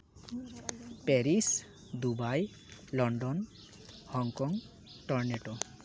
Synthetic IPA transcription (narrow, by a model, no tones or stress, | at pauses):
peɾis | d̪ubaj | lɔɳɖɔn | hɔŋkɔŋ | ʈɔɾneʈɔ